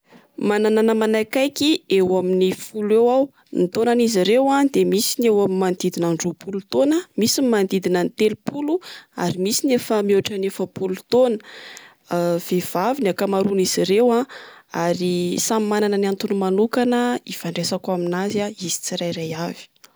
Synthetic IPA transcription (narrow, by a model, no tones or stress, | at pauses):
manananəmanajkajkiewaminifulewaw | nit̪onaniziɾewad̪emisinewamimand̪id̪inaɳɖ͡ʐopʰulut̪onəmisimand̪id̪inənit̪elupulua̰ɾimisinefəmowaʈ͡ʂənefəpulut̪onə̥ | v̥ev̥aviniakamaɾuniz̥iɾewãaɾisamimananənant̪unumanukanəifaɳɖ͡ʐesakuaminazaizi̥t͡siɾajɾajavi̥